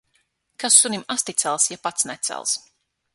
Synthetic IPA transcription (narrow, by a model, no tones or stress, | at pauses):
kasːunimast̪it̪sʲɛlˠsjapat̪snɛt̪sɛ̰lˠs